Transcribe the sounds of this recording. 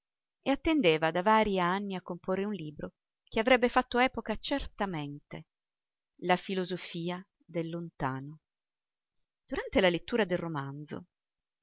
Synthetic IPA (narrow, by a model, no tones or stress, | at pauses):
eat̪ːend̪eːvad̪avaːɾianːiakːomporːeunliːbɾo | keavɾɛbːefat̪ːoɛːpokat͡ʃert̪ament̪e | lafilozofiːa | d̪elːont̪aːno | d̪̥uɾant̪elalet̪ːuːɾad̪elromand̪zo̰